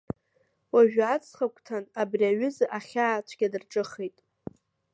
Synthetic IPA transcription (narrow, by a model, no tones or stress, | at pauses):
waʒᶣat͡sʰʼχakʷʼtʰanabriaɥʊzɨʔaχʲaːt͡ʃʷʰɡʲadɨrʈ͡ʂʼɨχejtʼ